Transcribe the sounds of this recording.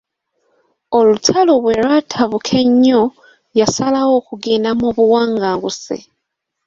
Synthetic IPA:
o̞lutʰaloβweɾwatʰaβukʰe̞ɲo | jasalawo̞kuɡinamoβuwaːŋɡaːŋɡusḭ

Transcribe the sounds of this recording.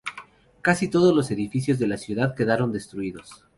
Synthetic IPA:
kasit̪o̞ð̞ozlo̞se̞ðifisjo̞zðe̞lasjuðaðke̞ðaɾo̞nd̪e̞st̪ɾuiðo̞s

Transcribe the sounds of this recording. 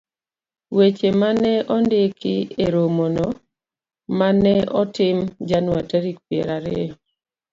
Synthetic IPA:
wet͡ʃemanɛɔndɪkɪeɾomono | manɛɔtɪmd͡ʒanwataɾik̚pjḛɾaɾe

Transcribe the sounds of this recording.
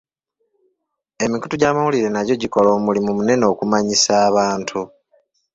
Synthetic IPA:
e̞miku̥tuɟaːmawuliɾe̞naɟoɟiko̞lo̞ːmulimumune̞no̞ːkumaɲisaːβaːntʰu

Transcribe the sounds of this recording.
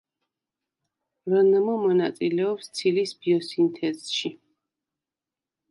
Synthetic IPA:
vanamɔmɔnat̪sʼilɛɔpst̪sʰilisb̥iɔsint̪ʰɛzʃi

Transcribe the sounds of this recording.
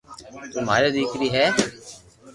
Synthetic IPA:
t̪ʊmaːɾad̪iːkɾiːɦɛː

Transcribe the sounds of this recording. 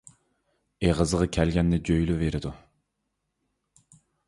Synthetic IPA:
eʁəzəʁɑkʲʰælɡʲɛnːɪd͡ʒøjlyveɾɪd̪u

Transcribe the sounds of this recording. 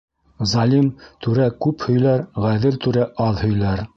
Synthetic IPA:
zɑlʲimt̪ʉɾækʉphɵ̆jlæɾʁæðɘlt̪ʉɾæʔɑðhɵ̆jlæɾ

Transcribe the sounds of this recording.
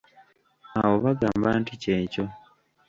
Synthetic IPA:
awo̞βaɡaːmbanticeːco̞

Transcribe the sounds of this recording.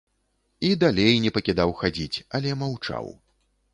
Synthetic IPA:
id̪alʲejnʲɛpɐkʲid̪awxad͡zʲit͡sʲɐlʲɛmawt͡ʂa̰w

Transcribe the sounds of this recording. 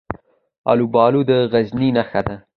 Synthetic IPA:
ɑ̰lubɑːlud̪əɣazninaxad̪a

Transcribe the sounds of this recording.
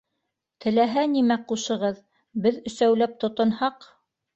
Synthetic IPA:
t̪ʰɘ̆læɦænimæquʃɤ̆ʁɤð | bɘðɵ̆sæwlæp̚t̪ŏt̪ɤ̆nhɑq

